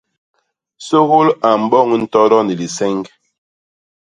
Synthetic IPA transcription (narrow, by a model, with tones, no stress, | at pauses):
so˦ɣo˦la˨m̩˨bɔ˦˨ŋ˦n̩˦˨tɔ˦ɾɔ˦ni˨li˨sɛ˦ŋɡ